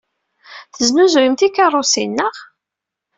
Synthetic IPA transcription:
θəznuzwimt̪ikːɑrˤːosinːəʁ

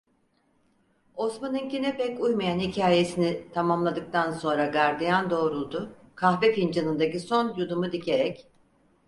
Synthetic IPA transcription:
o̞smanɯncinɛpɛcujmajanhicʰaːje̞sinit̪ʰamamlˠad̪ɯk̚t̪ʰanso̞nɾaɡaɾd̪ijand̪o̞ːɾulˠd̪ʊ | kʰaxvefind͡ʒanɯnd̪aciso̞njud̪umud̪icʰe̞ɾɛc

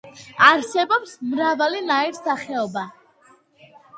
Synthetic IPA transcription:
aɾsɛbɔpsmɾavalinaiɾsaχɛɔba

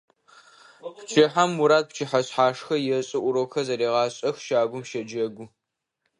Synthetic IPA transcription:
pt͡ʃʰɪħamːʊɾaːt̚pt͡ʃʰɪħaɕħaːʂxɐjɛɕʼɪʔʷʊɾoːxɐzɐɾeːʁɑːɕʼɐxʃaːɡʷʊmʃɐd͡ʒɐɡʷʊ

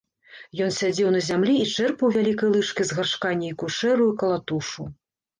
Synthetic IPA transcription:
jɔnsʲad͡zʲɛwnɐzʲamlʲiːt͡ʂɛrpɐwvʲalʲikɐjlˠɨt͡ʂkʲizɣarʂkanʲːɛikuʂɛɾujikɐlˠat̪uʂu

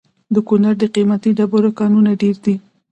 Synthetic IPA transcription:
d̪əkʊnaɾd̪əqimat̪iɖaboɾokɑnunaɖeɾd̪i

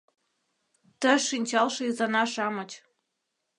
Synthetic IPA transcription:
t̪əʃinʲt͡ɕɑlʃɤ̆izɑnɑʃɑmɤ̆t͡ɕ

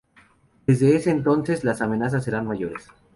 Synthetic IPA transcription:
de̞zðe̞ese̞ːnt̪o̞nse̞zlasamẽ̞nas̬as̬ːe̞ɾanmaʝo̞ɾe̞s

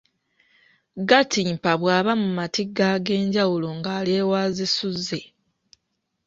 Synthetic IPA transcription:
ɡatimpaβwaːβamumatiɡːaɡe̞ːɲɟawulo̞ŋɡaːle̞ːwaːzisuzːe̞

